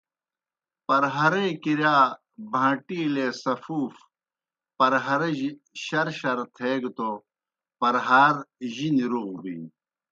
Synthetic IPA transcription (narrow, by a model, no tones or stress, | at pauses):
pɐɾɦɐɾeːkiɾjaː | bʱãːʈiːleːsɐfuːf | pɐɾɦɐɾɐʑ | ɕɐɾɕɐɾt̪ʰeːɡt̪o | pɐɾɦaːɾʑiniɾuɣbḭn